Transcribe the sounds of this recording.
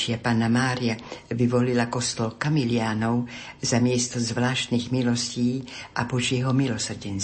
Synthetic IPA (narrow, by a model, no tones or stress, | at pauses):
t͡ʃɪapaːnamaːɾiaʋiʋɔlilakɔst̪ɔlkamilɪaːnɔʊ | zamɪɛst̪ɔzʋlaːʃt̪niːɣmilɔsciːʔa̰pɔt͡ʃjɛɦɔmilɔsr̩ɟɛns